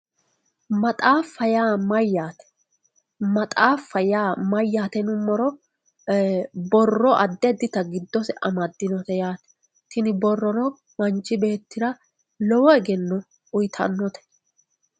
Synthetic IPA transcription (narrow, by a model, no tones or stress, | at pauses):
mɐt̪ʼaːfːɐjaːmɐjːaːt̪ɛ̥ | mɐt̪ʼaːfːɐjaːmɐjːaːt̪ɛnʊmːɔɾɔ | bɔrːɔʔɐd̪ːɛd̪ɪt̪ɐɡɪd̪ːɔsɛʔɐmɐd̪ːɪnɔt̪ɛjaːt̪ɛ̥ | t̪ɪnɪbɔrːɔnɔ | mɐnt͡ʃːɪbe̞ːt̪ːɪɾɐ | lɔwɔɛɡɛnːɔ | ʊjt̪ʰɐ̰nːɔt̪ɛ̥